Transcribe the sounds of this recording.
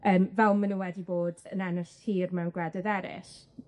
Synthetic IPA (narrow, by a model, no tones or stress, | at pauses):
əːmvɛlˠmənuwɛdiboːdə̰nanəshiːrmɛwnɡwɛdəðɛɾɪ̰s